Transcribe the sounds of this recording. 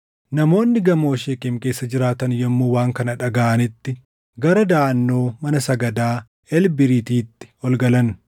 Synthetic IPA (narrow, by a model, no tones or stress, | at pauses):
nɐmo̞ːnːɪɡɐmo̞ːʃeːkʼemke̞ːsːɐd͡ʒɪɾaːt̪ɐnjɛmːuːwaːŋkɐnɐᶑɐɡaːʔɐnɪt̪ːɪ | ɡɐɾɐd̪aːʔɐnːo̞ːmɐnɐsɐɡɐd̪aː | ɛlbɪɾiːt̪iːt̪ːɪ̥ɔlɡɐlɐn